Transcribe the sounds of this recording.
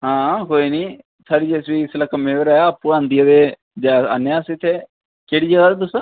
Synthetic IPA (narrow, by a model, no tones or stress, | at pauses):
ɦãːkoːiːnĩː | sʰaːɽiːd͡ʒeːsʋiːɪslakəmːẽːʋeɾɛːjaːpʊɾãːnd̪ijaːd̪eː | d͡ʒaa̰ːneãːsit̪ʰːeː | keːɽiːd͡ʒəɡaːd̪et̪ʊsã